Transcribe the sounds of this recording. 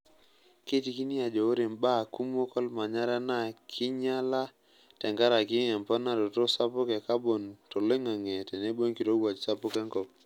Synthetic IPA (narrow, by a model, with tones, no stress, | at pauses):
ke˦ti˦ki˦ni˦a˨d͡ʒo˨o˦ɾe˨mba˦˨ku˦m˦o˦kɔ˦lma˨ɲa˦ɾa˦na˦˨kʰɪ˦ɲa˦la˦ | tɛ˨ŋɡa˦ɾa˨kɪ˦ɛ˨mpɔ˦na˨ɾo˨to˦sa˦pʊ˦kɛ˨ka˦bo˨nto˨le˦ŋa˨ŋɛ˨tɛ˨ne˦bo˦nki˨ɾo˦ɡwa˨t͡ʃsa˦pʊ˦kɛ˦ŋkɔ˦p